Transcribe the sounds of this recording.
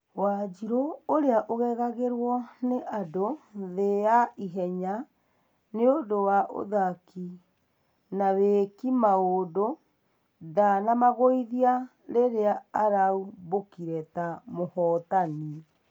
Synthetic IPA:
wad͡ʒiɾooɾeaʔoɣɛɣaɣeɾwɔneʔadoðejaiɦɛɲa | neodowaʔo̰ðaki | naβekimaodo | ðanamaɣoiðia | ɾeɾeaːɾaubokiɾɛtamohɔtani

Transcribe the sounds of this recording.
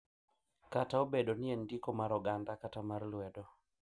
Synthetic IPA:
kataobedonɪendikomaɾɔɡandakatamarlwɛdɔ

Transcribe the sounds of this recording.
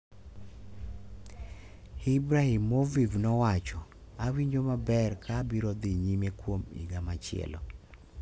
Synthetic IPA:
hibɾahimːovivnɔwat͡ʃɔ | awiɲd͡ʒomabɛrkʰabiɾɔd̪iɲimekwomḭɡamat͡ʃɪɛ̰lɔ̰

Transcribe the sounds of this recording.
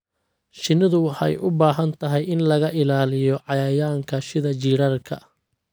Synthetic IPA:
ʃɪnːɪðʊwɑħɑ̰jʔʊbaːɦɐnt̪ʰɐɦɛjɪnlɐɣɐʔɪlaːlɪjɔʕɑjaːjaːŋkʰɐʃɪðɐt͡ʃiːɽɐrkʰɐ̰

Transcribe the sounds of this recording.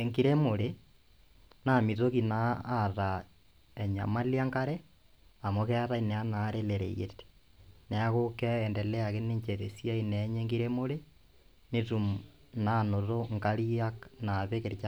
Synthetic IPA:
eŋɡiɾemoɾe | namiðokinaːða | eɲa̰maljaŋkaɾe | amokeaɾaineanaɾeleɾḛjḛte̥neaɣokeːndeleaɣeneɲt͡ʃeðesiaineɲeŋɡiɾemoɾe | netum | nanoðoŋkaliaknaβekeɾt͡ʃa

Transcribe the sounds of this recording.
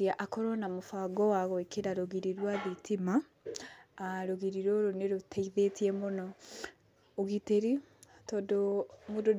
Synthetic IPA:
iaʔakɔɾɔnamofaɡɔwaɣɔekeɾaɾoɣiɾiɾwaðitʰima | ɾoɣiɾiɾɔɾoneɾotʰɛiðetiɛmonɔ | oɣiteɾi | tɔdomudo

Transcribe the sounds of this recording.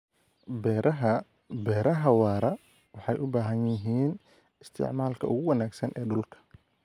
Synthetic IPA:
bɛ | bɛːɾɐɦɐwɑːɾɐ | wɑħɑjʔʊbaːɦɐnjɪɦiːn | ɪst̪ʰɪ̰ʕmaːlkʰɐʔʊɣʊwɐnaːɡsɐnʔɛːɖʊlkʰɐ̥

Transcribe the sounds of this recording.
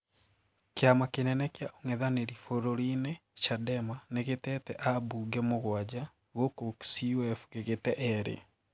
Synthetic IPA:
keamakenɛnɛkjaʔoŋɛðaneɾifoɾoɾinɛt͡ʃadɛmaneɣetɛtɛʔabuɡɛmoɣwad͡ʑa | ɣokoksiɛfuɣeɣetɛʔɛɾḛ

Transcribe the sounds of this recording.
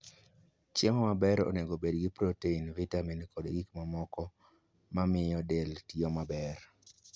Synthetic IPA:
t͡ʃjɛmɔmabɛɾo̰neɡobedɡɪpɾoteinvitaminkodɡikmamɔkɔ | mamɪjɔdeltjomabɛr

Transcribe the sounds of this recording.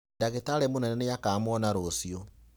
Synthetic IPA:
ndaɣetaɾɛmonɛnɛnejakaːmɔnaɾosio

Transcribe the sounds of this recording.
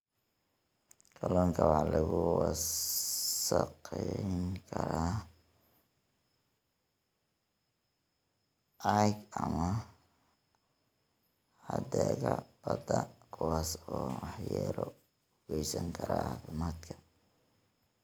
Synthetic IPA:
kʰɐlɔːŋkʰɐwɑħlɐɣʊwɑ | sɐqɛŋkʰɐɾaː | ɐɡɐmɐ | ħɐd̪ɛːɣɐb̥ɐd̪ɐkʰʊwaːsɔːɑħjaːɾɔ | ɣɛjsɐŋkʰɐɾa̰ːfɪmaːd̪kʰɐ̥

